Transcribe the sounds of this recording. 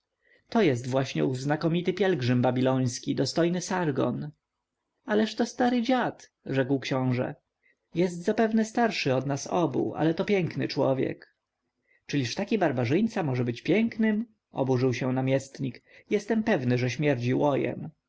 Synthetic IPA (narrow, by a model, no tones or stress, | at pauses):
t̪ɔjɛst̪vwaɕɲɛ̰uznakɔmʲit̪ɘpʲjɛlɡʐɘmbabʲilɔj̃skʲid̪ɔst̪ɔjnɘsaɾɡɔ̰n | alɛʂt̪ɔst̪aɾɘd͡ʑat̪ | ʐɛkwkɕɔ̃w̃ʐɛ̰ | jɛs̬t̪zapɛvnɛst̪aɾʂɘɔd̪nasɔbṵʔa̰lɛt̪ɔpʲjɛŋknɘ̰t͡ʂwɔ̰vʲjɛ̰k | t͡ʂɘlʲiʂt̪akʲibaɾbaʐɘjt̪samɔʐɛbɘt͡ɕpʲjɛŋknɘm | ʔɔ̰buʐɘwɕɛnamʲjɛst̪ɲikjɛst̪ɛmpɛvnɘʐɛɕmʲjɛɾd͡ʑiwɔjɛ̰m